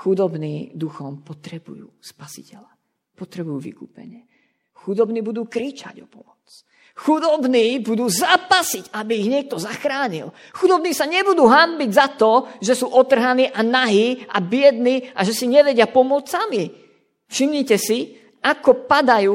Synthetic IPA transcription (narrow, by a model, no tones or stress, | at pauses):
xud̪ɔbniːd̪uxɔmpɔt̪ɾɛbṵjṵːspasi̥̰cɛʎa | pɔt̪ɾɛbujuːʋḭkṵːpɛ̰ɲɪɛ | xud̪ɔbniːbud̪uːkɾiːt͡ʃa̰ɟɔpɔmɔt͡s | xud̪ɔbniːbud̪uːzaːpasiɟabiːɣɲɪɛk̚t̪ɔzaxɾaːɲḭl | xud̪ɔbniːsaɲɛbud̪uːɦanbiɟzat̪ɔʒɛsuːʔɔt̪r̩ɦaniːʔanaɦiːʔabɪɛd̪niːaʒɛsiɲɛʋɛɟɪapɔmɔt͡ssami | fʃimɲicɛsi | ʔakɔpad̪ajuː